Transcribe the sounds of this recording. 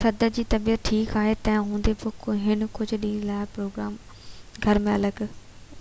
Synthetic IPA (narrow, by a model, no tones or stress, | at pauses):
sɐd̪əd͡ʑiːt̪ɐbijət̪̚ʈʰiːkaːɦet̪ɛ̃ɦũːnd̪epokɦɪnkʊd͡ʑʱɗĩːnlaːɪpɾoːɡɾaːm | ɡʱɐɾmẽɐləɡ